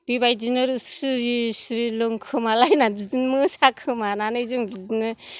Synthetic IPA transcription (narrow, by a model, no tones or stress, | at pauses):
b̥ibajdinɯɾɯsɯɾisɾilɯŋkʰɯmalajnabizinmɯsakʰɯmananɯzuŋbizinɯ